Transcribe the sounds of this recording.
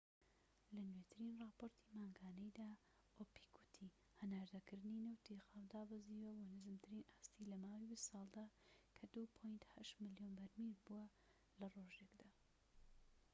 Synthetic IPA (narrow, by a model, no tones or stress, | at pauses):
lɐnwet̪ʰɨɾinrɑːpoːɾt̪ʰimaːŋɡaːnɐjd̪aː | opi̥kʰut̪ʰi | hɐnaːɾd̪ɐkɨɾd̪ɨninɨwt̪ʰixaːwd̪aːbɨziːwɐbonɨzɨmt̪ʰɨɾinast̪ilɐmaːwibist̪sɑːlˠd̪akʰɐd̪upʰojnt̪hɐʃt̪mɨljonbɐɾmiɾbuwɐ | lɐroʒekd̪aː